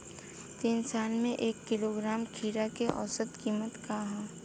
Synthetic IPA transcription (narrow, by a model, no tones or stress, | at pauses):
t̪iːnsaːnmẽʔeːkːɪloɡɾaːmkʰiːɾakeʔɔ̰ːsət̪kiːmət̪kaɦãː